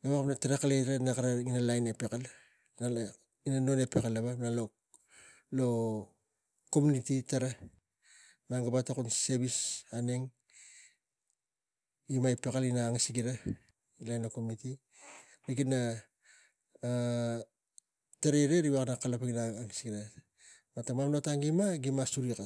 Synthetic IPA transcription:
ɡaβakapnataɾekaleɾanakaɾaŋinalajnepe̞kal | na | inano̞ne̞pekalaβanalo | lo̞ | komunititaɾa | maŋɡabatakunseβisaneŋ | ɡimaipekalinaːŋisiɡiɾa | ilajnokomniti | ɾikina | taɾeɾeɾiβaknakalapaɡinaŋisɡiɾa | matamamnotaŋɡimaɡimasuɾika

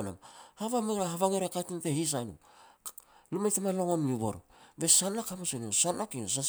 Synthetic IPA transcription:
na̰mhaβameɾaɦaβaŋeɾekatunte̞his̬ajnṵ | lumajtamaloŋonmiβo̰ɾobe̞sanːakamasonosanakinos̬a

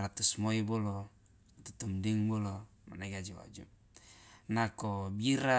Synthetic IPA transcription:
ɾat̪usmoibɔlɔ | t̪ut̪umdiŋbɔlɔ | manaɡad͡ʒiwa̰d͡ʒṵ | nakɔbiɾa

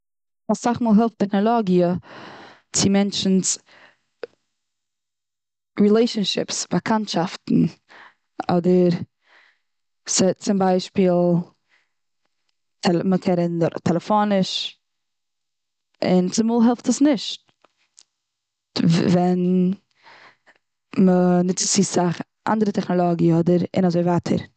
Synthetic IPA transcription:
asaχmuːlˠɦɛlˠftɛχnɔlˠɔɡiə | t͡sɪmɛnt͡ʃn̩s | ɹilˠeɪʃənʃɪ̰psbakʰantʃaftn̩ | ɔdəɾ | sɪt͡sɪmbaɪʃpiːlˠ | tʰɛməkʰɛɾɪntʰɛlˠəfonɪʃ | ɪnt͡sɪmuːlˠɦɛlˠftəsnɪʃt | vɛn | mənɪt͡st͡sisaχ | ʔa̰ndəɾətɛχnɔlˠɔɡiɔdəɾɪ̰nazoɪvaːtʰə̰ɾ

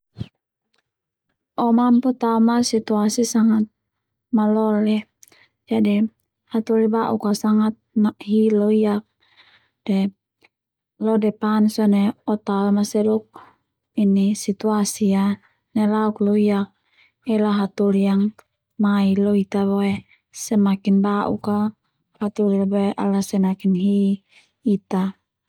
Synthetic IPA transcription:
ʔɔmamput̪aumasit̪uasisaŋat̪̚ | malɔlɛ | d͡ʒadi | hat̪ulibaʔukasaŋat̪̚maɦilɔijak̚ | dɛ | lɔdɛpansɔnɛɔt̪awemasɛdɔk̚ | inisit̪uasia | nɛlauklɔijak̚ | ɛlaɦat̪ulijaŋ | mailɔit̪aboe | sɛmakinbaʔṵka | hat̪ulilaboeʔa̰lasɛnakinɦiː | t̪a

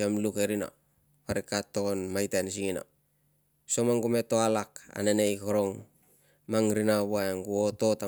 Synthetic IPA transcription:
amlukeɾina̰ | paɾikatːokonmajtans̬iŋina̰ | somaŋɡume̞toalaka̰nenejkoɾoŋ | maŋɾinaβoaeŋɡuoto̞ta

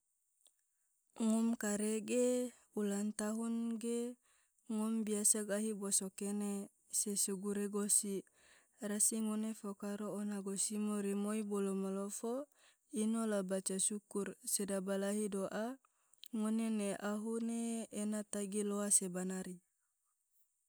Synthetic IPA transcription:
ŋɔmkaɾeɡe | ulant̪aɦunɡe | ŋumbiasaɡaɦibosokene | sesuɡuɾeɡosi | rasiŋonefokaɾoːnaɡosimoɾimoibolomalofo | inolabat͡ʃasukursedabalaɦidoʔa | ŋoneneʔaɦuneːnat̪aɡiloasebanaɾi

